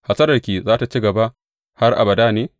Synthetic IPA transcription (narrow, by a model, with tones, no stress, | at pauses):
ha˨sɐ˦ɾɐ˨rkʲiː˨zaː˦ta˨t͡ʃi˦ɡɐ˨ba˦ | ha˦rʔa̰˨bɐ˨daː˦neː˨˦